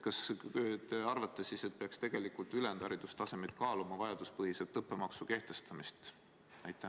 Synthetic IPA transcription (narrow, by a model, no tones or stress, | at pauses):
kɑsøt̪eɑrvɑt̪ːˑesise̞t̪̚peɑkst̪e̞ɡ̥e̞likˑult̪ylend̪ɑɾid̪ust̪ɑse̞met̪̚kɑːlumɑvɑjɑd̪̥uspɤɦiset̪ːɤpːe̞mɑksuke̞ht̪e̞st̪ɑmist̪ | æjt̪ːˑæ